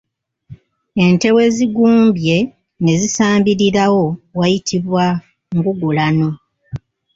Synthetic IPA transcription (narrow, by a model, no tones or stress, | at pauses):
e̞nte̞we̞ziɡuːmbje̞ | ne̞zisaːmbiɾiɾawo̞wajitʰiβwa | ŋɡuɡulano̞